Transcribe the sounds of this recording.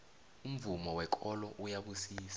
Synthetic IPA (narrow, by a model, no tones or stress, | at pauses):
um̩vumɔwɛkʰʼɔlɔʔujaɓusiːsḁ